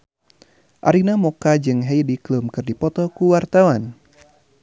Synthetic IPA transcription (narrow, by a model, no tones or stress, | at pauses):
ʔa̰ɾinamɔkad͡ʒɨŋɦejdiklumkɨrdipɔt̪ɔkuwart̪awan